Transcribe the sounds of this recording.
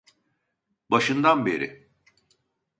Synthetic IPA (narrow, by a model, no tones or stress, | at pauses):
baʃɯnd̪anbe̞ɾɪ̰